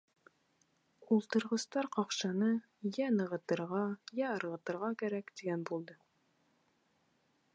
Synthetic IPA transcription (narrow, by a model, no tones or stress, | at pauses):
ulˠt̪ɤ̆ɾʁɤ̆st̪ɑɾqɑqʃɑnɤ | jænɤ̆ʁɤ̆t̪ɤ̆ɾʁɑjæɤ̆ɾʁɤ̆t̪ɤ̆ɾʁɑkæɾækt̪iɡænbulˠd̪ɤ